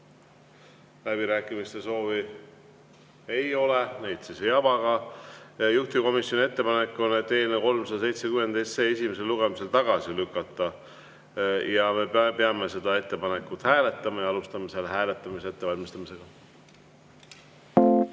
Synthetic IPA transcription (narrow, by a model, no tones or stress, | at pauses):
læb̥iɾæːkˑimist̪e̞so̞ːvi | ejo̞lenejt̪sisejɑvɑɡ̥ɑ | juht̪iko̞misjo̞nʲie̞t̪ːe̞pɑnekːˑo̞net̪e̞ːneko̞lmsɑd̪ɑse̞jt̪sekymːwed̪ejst̪se̞ːes̬ʲimese̞lːuɡemise̞lt̪ɑɡ̥ɑsilykːˑɑt̪ːˑɑ | jɑme̞peɑme̞se̞d̪ɑe̞t̪ːe̞pɑne̞kːˑut̪ˑhæːle̞t̪ːˑɑmɑjɑɑlust̪ɑmeselːeɦæːle̞t̪ːˑɑmiseet̪ːe̞vɑlʲmist̪ɑmise̞ɡ̥ɑ